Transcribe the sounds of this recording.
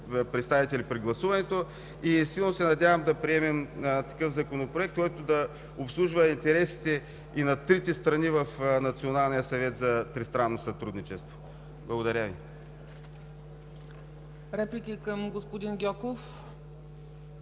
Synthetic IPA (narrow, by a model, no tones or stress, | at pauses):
pɾɛt̪st̪avit̪ɛlipɾiɡlˠɐsuvɐnɛt̪o | isilˠnosɛnɐd̪ʲavɐmd̪ɐpɾiɛmɛmt̪ɐ̥kɤvzɐkonopɾoɛk̚t̪kɔjt̪od̪ɐ | opslˠuʒvɐint̪ɛɾɛsi̥t̪ɛ | inɐt̪ɾit̪ɛst̪ɾɐnivɐfnɐt̪sionalˠnijəsɐvɛt̪zɐt̪ɾist̪ɾanːosɐt̪ɾud̪nit͡ʃɛst̪vo | blˠɐɡod̪ɐɾʲəvi | ɾɛplikʲikəmɡospʊd̪inɡʲɔkof